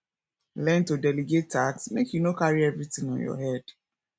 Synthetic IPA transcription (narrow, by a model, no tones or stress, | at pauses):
lɛ̃ntodɛliɡetːaksmekjunokaɹiɛvɹitɪ̃ŋɔ̃njɔ̰hɛd̥